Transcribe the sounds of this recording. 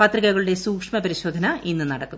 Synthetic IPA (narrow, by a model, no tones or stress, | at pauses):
pɐt̪riɣɐɣɐɭuɽe̞suːkʂmɐpɐɾiɕo̞ːd̪ʱɐnɐʔinːɨnɐɽɐkːu